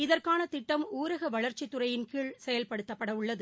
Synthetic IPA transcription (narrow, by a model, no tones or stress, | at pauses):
ɪðɐrkaːnɐt̪ɪʈːɐmuːɾɐɣɐʋɐɭɐɾt͡ʃːɪt̪ːʊɾɐjɪnkiːɭsɛjɐlpɐɽɯt̪ːɐpːɐɽɐʊɭːɐðɯ